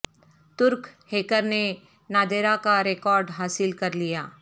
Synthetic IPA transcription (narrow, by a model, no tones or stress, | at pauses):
t̪ʊɾkheːkəɾne | naːd̪eːɾakaɾekɔːɾɖɦaːsɪlkɐɾlijaː